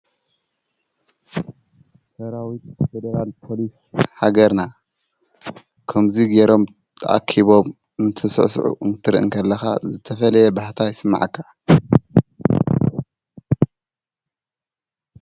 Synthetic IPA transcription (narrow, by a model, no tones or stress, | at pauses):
sɐɾawit̪fed̪ɐɾalpʰo̞lis | ħaɡɐɾna | kʰɐmziɡe̞ɾo̞mʰ | ʔa̰kʰiβo̞m | ɨnt̪ʰɨsɨ̰ʔsʕṵʔɨnt̪ʰɨɾʔɨ̰ŋkʰɐlːɐxa̰zɨt̪ʰɐfɐlɐjɛbaħt̪ʰajɪsɨmːa̰ʕakʰːa